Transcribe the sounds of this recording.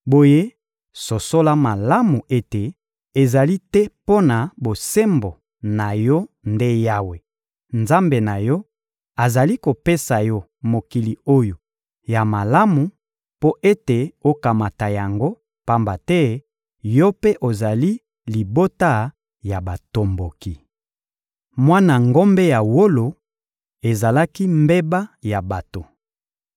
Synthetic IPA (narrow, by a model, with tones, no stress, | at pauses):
bo˨je˦ | so˨so˦la˦ma˨la˦mu˨ʔe˦te˨ | e˨za˨li˦tɛ˦po˦na˨bo˨se˦mbo˨ | na˨jɔ˦nde˦ja˦we˨ | nza˦mbe˨na˨jɔ˦ | a˨za˨li˦ko˨pe˦sa˨jɔ˦ | mo˨ki˨li˨o˦jo˨ | ja˨ma˨la˦mu˨ | po˦ʔe˦te˨o˦ka˨ma˨ta˨ja˨ŋɡo˦ | pa˦mba˨tɛ˦ | jɔ˦pe˦ʔo˨za˨li˦ | li˨bo˦ta˦˨ | ja˨ba˨to˨mbo˨ki˨ | mwa˦na˨ŋɡo˦mbe˦ja˨wo˦lo˨ | e˨za˨la˦ki˦mbe˦ba˦ja˨ba˨to˨